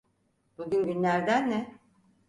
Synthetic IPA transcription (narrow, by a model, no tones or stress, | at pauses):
buɟʲynɟynlʲæɾd̪ænːɛ